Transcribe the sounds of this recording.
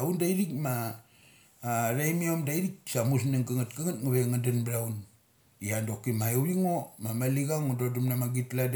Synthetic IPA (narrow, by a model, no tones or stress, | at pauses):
aundaiɾikma | ɾejmiomdaiɾik̚samus̬naŋkaŋatkaŋatŋaβeŋandanbɾaun | iandokimajowiŋo̞mamaliɡaŋododumnamaɡitlad